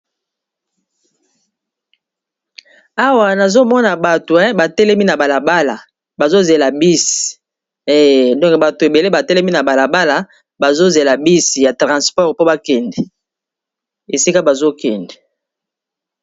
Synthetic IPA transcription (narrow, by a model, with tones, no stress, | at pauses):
a˦wa˨na˨zo˦mɔ˦na˨ba˨to˨ɛ̃˦ba˨tɛ˦lɛ˦mi˦na˨ba˨la˨ba˦la˨ | ba˨zo˦ze˨la˨bi˦si̥˨˦˨ | dɔ̃˦kba˨to˨e˨be˨le˦ba˨tɛ˦lɛ˦mi˦na˨ba˨la˨ba˦la˨ | ba˨zo˦ze˨la˨bi˦si˨ja˨tʁã˨spɔ˦˨ʁpo˦ba˦kɛ˨ndɛ˨ | e˨si˦ka˦ba˨zo˦kɛ˨ndɛ˨